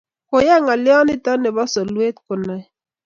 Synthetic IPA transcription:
ko˨jɛ˦˨ŋa˨lɪ˦ɔ˦nɪ˦tɔ˦nɛ˨bɔ˦sɔ˨lwe˦t̪̚kʊ˨nɛ˨

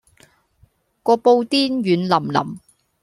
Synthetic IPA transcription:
kɔː˧po˧wt̪iː˥njyː˨˥nlɐ˨˩mlɐ̰˨˩m

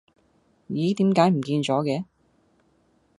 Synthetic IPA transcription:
jiː˨˥t̪iː˨˥mkaː˨˥jm̩˨˩kiː˧nt͡ʃɔː˨˥kɛː˨˧˥

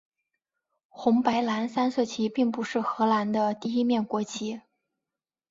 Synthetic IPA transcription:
xʊ˧˥ŋpa˧˥ɪla˧˥nsa˥nsɤ˥˩t͡ɕʰi˧˥pi˥˩ŋpu˧˥ʂɻ̩˥˩xɤ˧˥la˧˥nd̪ə˧t̪i˥˧i˥mjɛ˥˩nkwɔ˧˥t͡ɕʰi˧˥

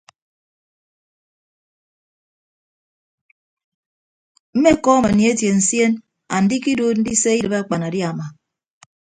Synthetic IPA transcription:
m̩˦me˦kɔ˦˨ma˨nji˨e˦tje˨n̩˨sje˦n | a̰˨n̩˦di˦ki˦do˦n̩˦di˦se˦i˦dɨ˨ba˦k͡pa˨na˨di˦a˨ma˨

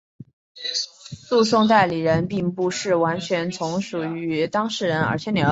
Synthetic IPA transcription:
lu˥˧sʊ˥˧ŋt̪̬a˥˩ɪli˨˩ɻə˧˥npi˥˩ŋpu˥˧ʂɻ̩˥˩wa˧˥nt͡ɕʰɥɛ˧˥nt͡sʰʊ˧˥ŋʂu˨˩y˧˥t̪ɑ˥ŋʂɻ̩˥˩ɻə˧˥nə̰˞˧˥t͡ɕʰjɛ˧˥nljɛ˨˩

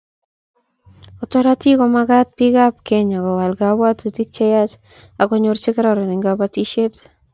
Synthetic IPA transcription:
ɔ˨tɔ˦ɾa˦ti˦kɔ˨ma˦ɡa˦t̚pɪ˦ɡa˦p̚ke˦ɲa˨kɔ˨wa˨lɡa˨bwa˦ti˨ti˦k̚t͡ʃe˦ja˦t͡ʃ | a˨kɔ˦ɲo˦ɾt͡ʃɪ˦kɛ˦ɾa˨ɾɔ˨nɪ˨ŋɡaba˦ti˦ʃe˦t

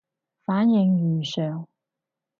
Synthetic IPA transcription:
faː˨˥njɪ˨˧ŋjyː˨˩sœː˨˩ŋ

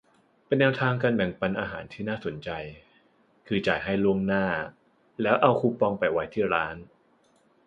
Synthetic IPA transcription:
pe˧nːɛː˧wt̪ʰaː˧ŋka˧nbɛ˨˩˦ŋpa˧nʔaː˧ɦa̰ː˩˦nt̪ʰiː˥˩naː˥˩so˨˩˦nt͡ɕa˧j | kʰɯː˧t͡ɕaː˨˩jɦa˥˩jlu˥˩əŋnaː˥˩ | lɛː˦˥wʔa˧wkʰuː˧˥pɔ˧ŋpa˨˩jwa˦˥jt̪ʰiː˥˩ɾaː˦˥n

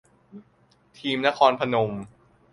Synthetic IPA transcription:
t̪ʰiː˧mna˦˥kʰɔː˧npʰa˧no˧m

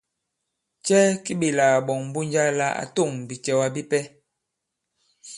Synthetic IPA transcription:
t͡ʃɛ˦ki˦bi˨laː˨bɔ˨ŋm˦bu˦ɲ˦d͡ʒa˦la˦a̰˨to˦˨ŋbi˨t͡ʃɛ˦wa˦bi˦pɛ˦

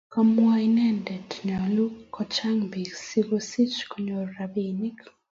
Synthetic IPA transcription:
ka˦mwa˦i˦nɛ˦ndɛ˨tɲɔ˨lu˦kɔ˦t͡ʃa˦ŋbi˨ɡsi˦ɡo˦si˦t͡ʃko˦ɲo˨ɾɾabi˨ni˦k

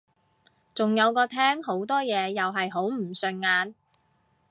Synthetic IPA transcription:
t͡sʊ˨ŋjɐ˨˧wkɔː˧t̪ʰɛː˥ŋho˨˥wt̪ɔː˥jɛː˨˧jɐ˨wɦɐ˨jɦo˨˥wm̩˨˩sɵ˨˧nŋaː˨˧n

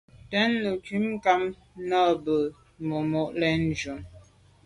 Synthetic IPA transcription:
tɛ˦nːə˨ki˦mka˦m | na˦bə˨ | mo˨mɔ˦˨ʔlɛ˦n̩˦d͡ʒu˨m

